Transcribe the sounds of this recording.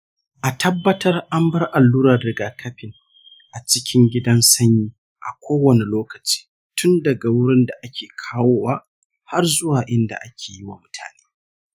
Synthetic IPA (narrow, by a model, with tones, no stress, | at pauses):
ʔa˨tɐ˦bːɐ˦tɐ˦rʔa˦mbɐ˦rʔa˨lːuː˦ɾa˨rdɪ˨ɡaː˨kʰɐ˦ɸɪ˨ŋ | ʔa˨t͡ʃɪ˦kʲɪ˦ŋɡʲɪ˦dɐ˦nsɐ˦ɲjiː˦ | ʔa˨kʷoː˦wɐ˨ne˨loː˦kɐ˨t͡ʃi̥ː˦ | tʊ˦ndɐ˨ɡa˨wʊ˦ɽɪ˦nda˨ʔa˦kʲeː˨kʰaː˦woː˦wa˦ | ha˦rzʊ˦waː˨ʔɪ˦nda̰˨ʔa˦kʲʰeː˨ji˦wa̰˨mʊ˦tʰa̰ː˨neː˦